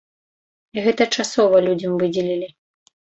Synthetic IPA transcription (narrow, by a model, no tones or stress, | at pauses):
iɣɛt̪ɐt͡ʂasɔvɐlʲud͡zʲɐmvɨd͡zʲɛlʲilʲi